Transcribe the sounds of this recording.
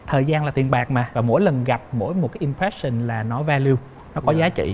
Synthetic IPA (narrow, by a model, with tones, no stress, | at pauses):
t̪ʰəː˨˩jzaː˧nlaː˨˩t̪i˨˩ənɓaː˨˩k̚maː˨˩vaː˨˩mo̰˧˥jlə˨˩nɣa˨˩p̚mo̰˧˥jmo˨˩t̚kaː˨˦jʔi˧mpɾɛ˦˥sə˨˧˩nlaː˨˩nɔ˨˦vaː˧li˧ | nɔ˨˦kɔ˨˦zaː˨˦t͡ɕḭ˧˨